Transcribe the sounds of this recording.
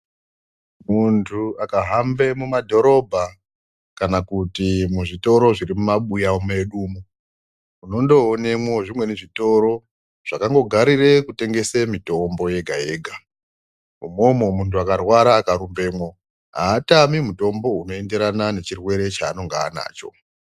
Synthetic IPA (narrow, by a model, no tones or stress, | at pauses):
muntʰuakaɦambe̞mumadʱo̞ɾo̞bʱa | kanakutimuʐito̞ɾo̞ʐiɾimumaɓujaomeɗuːmo | uno̞ndo̞ːne̞mwo̞ʐimwe̞neʐito̞ɾo̞ | ʐ̥akaŋɡo̞ɡʱaɾire̞kute̞ŋɡe̞semito̞mbo̞je̞ɡʱae̞ːɡʱa | umo̞momuntuakarwaɾaːkaɾumbe̞mwo̞ | ɦa̰ːtamimuto̞mbo̞uno̞e̞nde̞ɾanane̞t͡ʃirwe̞ɾe̞t͡ʃaːno̞ŋɡaːna̰ːt͡ʃo̞̰